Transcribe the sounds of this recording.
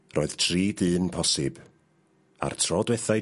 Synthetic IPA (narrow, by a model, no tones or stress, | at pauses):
rɔːɨð̥tʰriːdɨːnpʰɔsɪb̥ | a̰rtʰrɔdwɛθaj